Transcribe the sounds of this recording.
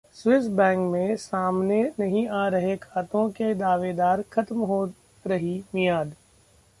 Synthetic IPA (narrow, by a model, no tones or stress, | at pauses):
swɪsbɛ̃ːŋkmẽsaːmnenɐɦĩaːɾɐɦekʰaːt̪õked̪aːʋed̪aːɾkʰɐt̪mɦoː | ɾɐɦimijaːd̪